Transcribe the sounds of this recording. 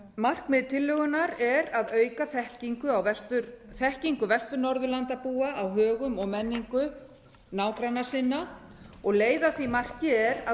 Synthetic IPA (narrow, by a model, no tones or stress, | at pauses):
mar̥kmɪðt̪ʰɪlːʏɣʏnaɾɛɾaðœːɥkaθɛhciŋkʏawvɛst̪ʏɾθɛhciŋkʏvɛst̪ʏɾnɔɾðʏɾlant̪apuːaʔawɦœːɣʏmɔɣmɛnːiŋkʏ | naːwkɾanːasɪnːa | ɔɣleːjðaθvimar̥cɪɛɾa